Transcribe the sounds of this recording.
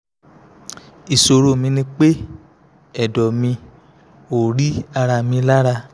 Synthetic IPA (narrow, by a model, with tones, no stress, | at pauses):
i˨so˧ɾo˦˨mĩ˧nĩ˧k͡pe˦ | ɛ˨dɔ˨mĩ˧ | o˨ɾi˦a˧ɾa˧mĩ˧la˦ɾa˧